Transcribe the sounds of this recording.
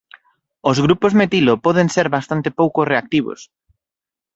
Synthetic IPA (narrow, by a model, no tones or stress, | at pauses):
ozɣɾupozmet̪ilopɔðeŋseɾβast̪ant̪epowkoreak̚t̪iβo̰s